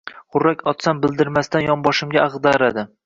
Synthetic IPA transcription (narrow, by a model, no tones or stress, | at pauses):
χʊɾːakʲʰɒt̪sambɪld̪ɪɾmast̪anjɒmbɒʃɪmɡʲaːʁd̪ɒɾad̪ɪ